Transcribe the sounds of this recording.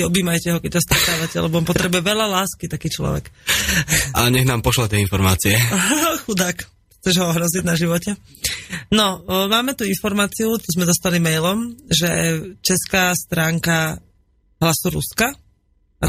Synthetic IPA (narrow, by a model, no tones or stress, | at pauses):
ɔbiːmajcɛɦɔkɛc̚sast̪ɾɛt̪aːʋacɛ̰lɛbɔɔmpɔt̪ɾɛbujɛʋɛʎalaːskit̪akiːt͡ʃlɔ̰ʋɛ̰k | a̰ɲɛɣnaːmpɔʃlat̪ɪɛinfɔɾma̰ːt͡siɛxud̪ak | xt͡sɛʒɦɔɔɦɾɔziɟnaʒiʋɔcɛ | nɔmaːmɛt̪uinfɔɾmaːt͡siuɔzmɛd̪ɔst̪alimɛjlɔmʒɛ̰t͡ʃɛskaːst̪ɾaːŋka | ɦlasuɾṵska | a